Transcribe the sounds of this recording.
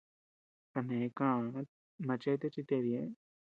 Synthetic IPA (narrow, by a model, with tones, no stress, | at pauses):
ka˧˨nẽ˨˦kã˦˧ | ma˧t͡ʃe˦t̪e˦t͡ʃi˧t̪e˧ɾje˦